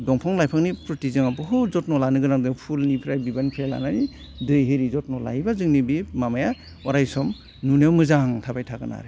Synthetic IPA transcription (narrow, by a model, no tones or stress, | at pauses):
dɔŋpʰɔŋlajpʰaŋnipɾɔtizɯŋabɯɦɯzɔt̚nɔlanɯɡɯnaŋdɯŋpʰulnipʰɾajbibanpʰela̰nani | dɯjɦɯɾizɔt̚nɔla̰hibazɯŋnibimamaja | ɔɾajsɔm | nunawmɯzaŋtʰabajtʰaɡɯna̰ɾe